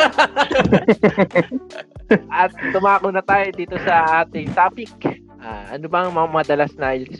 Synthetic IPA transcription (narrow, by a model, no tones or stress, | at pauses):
ʔɐt̪̚ːʊmaːkonɐt̪aːjod̪iːt̪osɐʔaːt̪ɪŋt̪aːpɪk̚ | ʔaʔɐ̰nobɐŋmɐŋamɐad̪ɐlasna